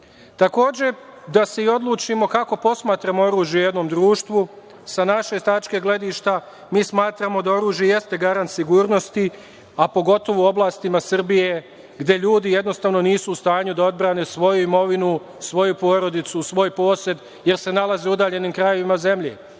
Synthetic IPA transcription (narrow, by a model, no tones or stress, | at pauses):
t̪ako̞ːd͡ʑe̞d̪aseio̞d̪lˠuːt͡ʃimo̞kako̞po̞smaːt̪ɾamo̞o̞ɾuːʒjeje̞d̪no̞ːmd̪ɾuːʃt̪ʋu | sanaʃe̞t̪at͡ʃke̞ɡle̞d̪iːʃt̪a | miːsmaːt̪ɾaːmo̞d̪ao̞ɾuːʒjeje̞st̪e̞ɡaɾant̪siɡuːɾno̞st̪i | apo̞ɡo̞t̪o̞ʋoo̞blˠaːst̪imasr̩bije̞ | ɡd̪e̞ʎuːd̪ije̞d̪no̞st̪aːʋno̞niːsuːst̪aːɲud̪ao̞d̪bɾaːne̞sʋo̞juimo̞ʋinu | sʋo̞jupo̞ːɾo̞d̪it̪susʋo̞jpo̞ːse̞d̪ | je̞ɾse̞nalˠazeud̪aːʎe̞niːmkɾajo̞ʋimaze̞mʎḛ